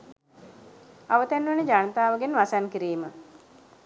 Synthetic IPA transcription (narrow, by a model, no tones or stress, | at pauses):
aʋət̪ænʋənəd͡ʒanət̪aːʋəɡenʋasankiɾiːmə